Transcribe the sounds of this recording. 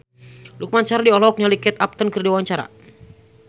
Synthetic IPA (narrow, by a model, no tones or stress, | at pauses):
luk̚maɲt͡ʃaɾadiɔlɔk̚nalikɛt̪ap̚t̪ənkərdawaɲt͡ʃaɾa̰